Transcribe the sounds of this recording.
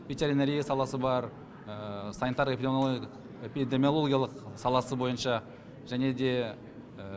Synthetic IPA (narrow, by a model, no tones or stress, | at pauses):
vit̪eɾʲineɾʲijasɑlˠɑsəbɑɾ | sɑnit̪ɑɾep | epid̪emʲijo̞lˠo̞ɡʲijalˠəqsɑlˠɑsəbo̞jənʃɑ | ʒæne̞d̪e̞